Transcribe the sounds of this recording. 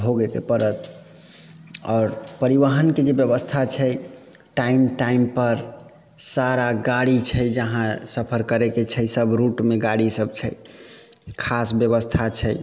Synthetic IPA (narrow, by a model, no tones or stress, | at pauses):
ɦoɡekḛpəɾət̪̚ʰ | ɔːɾpəɾiʋaɦənked͡ʒebjəbəst̪ʰat͡ʃʰɛ | ʈaimʈaimpəɾ | saɾaɡaɽit͡ʃʰɛjd͡ʒəɦãsəpʰəɾkəɾeket͡ʃʰɛsəbʱɾuʈmeɡaɽisəb̚t͡ʃʰɛj | kʰasbjəβəst̪ʰat͡ʃʰɛɪ